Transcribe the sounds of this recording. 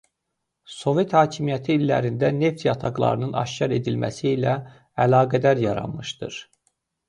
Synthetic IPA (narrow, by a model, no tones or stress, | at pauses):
so̞ve̞t̪hɑːcʰimijæt̪ʰiːlːæ̰ɾind̪æne̞ft̪jɑt̪ʰɑɡlˠɑ̰ɾɯnɯnɑ̰ʃcʰɑɾe̞d̪ilmæ̰siːlæ | ælɑːɡæd̪æɾjɑɾɑ̰nmɯʃd̪ɯ̰ɾ̥